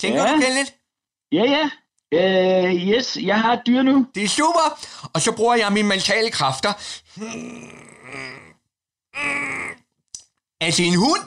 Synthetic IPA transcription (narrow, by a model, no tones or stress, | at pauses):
t͡sʰeŋɡ̥ɐ̥uɡened̥ | jæjæ | øjesjɑɪɦɑ̈ed̥̚d̥yɐnud̥e̝æsṵːb̥ɐɒ̽sɒ̽b̥ʁuːɐjɑ̈ɪminəment͡sʰɛ̰ːləkʰʁɑ̈fd̥ɐ | æsenhun̰